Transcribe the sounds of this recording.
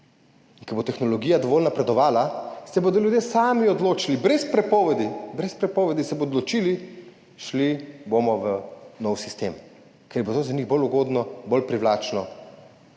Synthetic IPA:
iŋkɔbot̪ɛxnɔlɔɡiːjad̪ɔʋoːlnapɾɛd̪ɔʋaːlasɛboːd̪ɔlʲjud̪jeːsaːmiɔd̪loːt͡ʃilibɾɛspɾɛpɔːʋɛd̪ibɾɛspɾɛpɔːʋɛd̪isɛboːd̪lɔt͡ʃiːli | ʃlibomɔʋənɔwsist̪eːm | kɛɾbot̪ozaniɣboluɡoːd̪nɔbolpɾiʋlaːt͡ʃnɔ

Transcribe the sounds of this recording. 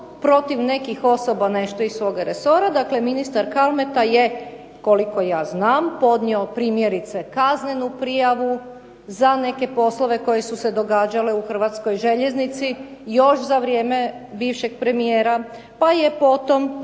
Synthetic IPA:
pɾo̞t̪iʋne̞kixo̞sobane̞ʃt̪o̞isʋo̞ːɡaɾeso̞ɾad̪akle̞minist̪aɾkalˠme̞t̪aje | ko̞liko̞jaːznaːmpo̞d̪nʲio̞pɾiːmje̞ɾit̪se̞kazne̞nupɾijaʋu | zane̞ke̞po̞slˠo̞ʋe̞ko̞je̞suse̞d̪o̞ɡaːd͡ʒale̞uxr̩ʋat̪sko̞jʒe̞ʎe̞znit̪sijo̞ʃzaʋɾjeːme̞biːʋʃe̞ɡ̚pɾe̞mijeːɾa | pajepo̞t̪o̞m

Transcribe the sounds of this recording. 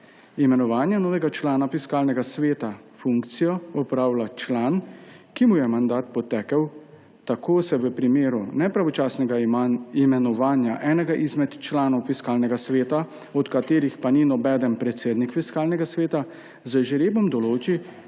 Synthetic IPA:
imɛnɔʋaːnjɛnɔːʋɛɡat͡ʃlaːnafiskaːlnɛɡasʋeːt̪a | fuŋkt̪sijɔɔpɾaːwlat͡ʃlaːn | kimujɛmand̪aːt̪̚pɔt̪ɛːkəw | t̪akʰoːsɛʋəpɾimeːɾunɛpɾaʋɔt͡ʃaːsnɛɡaimɛnɔʋaːnjaʔɛːnɛɡaʔizmɛt̪t͡ʃlaːnɔwfiskaːlnɛɡasʋeːt̪a | ɔt̪kat̪eːɾixpaninɔbɛːd̪ənpɾɛt̪seːd̪nikfiskaːlnɛɡasʋeːt̪a | zəʒɛɾebɔmd̪ɔloːt͡ʃi

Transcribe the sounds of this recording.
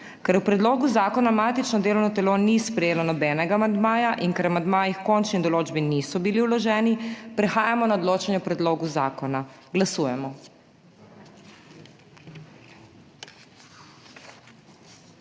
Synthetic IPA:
kɛɾwpɾɛd̪loːɡuzaːkɔnamaːt̪it͡ʃnɔd̪eːlɔwnɔt̪ɛlonispɾɛjeːlanɔbɛːnɛɡaːmand̪maːjaʔiŋkɛɾamand̪maːjixkɔnt͡ʃnid̪ɔloːd͡ʒbinisɔbiliwlɔʒɛːnipɾɛxaːjamɔnaɔd̪loːt͡ʃanjɛpɾɛd̪loːɡuzaːkɔnaɡlasuːjɛmɔ

